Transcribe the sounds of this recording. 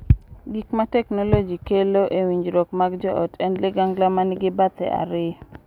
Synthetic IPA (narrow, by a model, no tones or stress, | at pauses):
ɡikmatɛknolod͡ʒikeloʔewiɲd͡ʒɾɔkmaɡd͡ʒɔʔɔ̰tʰɛnlɪɡaŋɡlamanɪɡɪbat̪ɛ̰ʔa̰ɾɪ